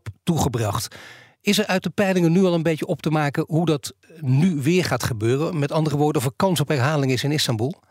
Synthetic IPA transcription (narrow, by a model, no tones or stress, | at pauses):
ptuχəbrɑχt | ɪsɛɹœɥt̚dəpɛjlɪŋənːyɑlˠənbejəɔp̚təmaːkənɦudɑtnyʋɪːɹχaːtχəbøːrəmɛtɑndərəʋʊːɹdənɔfəɹkɑnsɔpɦɛɹɦaːlɪŋɪsɪnɪstɑmbulˠ